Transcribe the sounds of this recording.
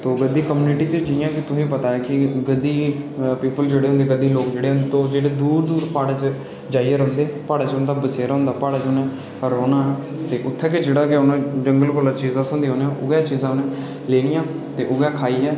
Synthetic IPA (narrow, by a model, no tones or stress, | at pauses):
t̪oːɡəd̪iːkəmjuːnɪʈiːt͡ʃəd͡ʒɪjãːkɪt̪ʊsẽːp̬ət̪aːɛːkɪɡəd̪iːpiːpəld͡ʒeːɽeːɦõːnd̪eːɡəd̪iːloːkd͡ʒeːɽeːɦõnd̪et̪oːd͡ʒeːɽeːd̪uːɾd̪uːɾpaːɽat͡ʃə | d͡ʒaːieɾõːnd̪eːpaːɽaːt͡ʃɦʊnd̪aːbəseːɾaɦʊ̃nd̪aːpaːɽaːt͡ʃʊnɛ̃ː | ɾoːnaːɛː | t̪eːʔʊt̪ʰːɛːkɪd͡ʒeːɽaːkɪʊnãːd͡ʒəŋɡəlkoːlaːt͡ʃiːzãːt̪ʰõnd̪iːõːneãʔʊɡɛːt͡ʃiːzãːʊnɛ̃ | leːnɪjãː | t̪eːʔʊɡɛːkʰaːiːɛː